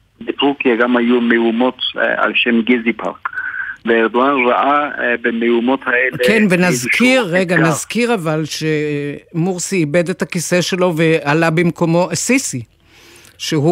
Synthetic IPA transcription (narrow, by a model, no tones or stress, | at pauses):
betʁukjaɡamhajumeumo̞t̪a̰lʃemɡizipʰa̰ʁkveːʁd̪oanʁaʔabemeumo̞t̪haelekenvenazkʰiʁːeɡanazkiʁavalʃemuʁsiːbedethakiseʃelo̞vealabemko̞mosisi | ʃeɦu